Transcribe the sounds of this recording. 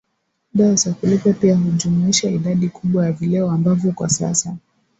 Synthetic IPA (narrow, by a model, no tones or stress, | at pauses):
ɗaɔzakulɛkapiaɦuʄumuiʃaiɗaɗikʰuɓwajavilɛɔambavjɔkwa̰sa̰sa